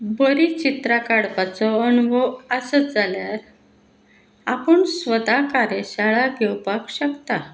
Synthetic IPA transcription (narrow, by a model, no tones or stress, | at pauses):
bəɾit͡ɕit̪ɾakaɽpat͡sɔənʋɔəsəd͡zaljaɾ | apəɳsʋəd̪akaɾjeɕaɭaɡʱɛwpakɕəkt̪a